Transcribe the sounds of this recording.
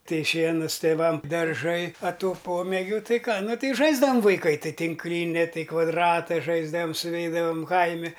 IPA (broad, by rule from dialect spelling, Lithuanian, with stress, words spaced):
ˈtɐɪ ˈʃʲiɛnʊs tʲeːˈʋɐm dɐrˈʒɐɪ ɐ ˈtuː ˈpoːmʲeːɡʲʊ ˈtɐɪ ˈkɑː ˈnʊ ˈtɐɪ ˈʒɐɪzdɐʋɐm ʋɐɪˈkɐɪ ˈtɐɪ tʲɪŋkˈlʲɪnʲɪ ˈtɐɪ kʋɐdˈrɑːtɐ ˈʒɐɪzdɐʋɐm sʊˈʋʲɛɪdɐʋɐm ˈkɐɪmʲɪ